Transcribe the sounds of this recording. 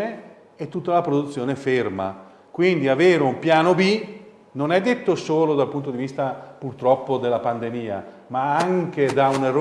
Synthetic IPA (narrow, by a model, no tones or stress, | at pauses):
e | et̪ːut̪ːalapɾod̪ut̪sːjoːneferma̰ | kwind̪iaveːɾeumpjaːnobi | nonɛd̪ːet̪ːosoːlod̪alpunt̪od̪ivist̪apurt̪ɾɔpːod̪elːapand̪emiːa̰maaŋk̟ed̪aunerː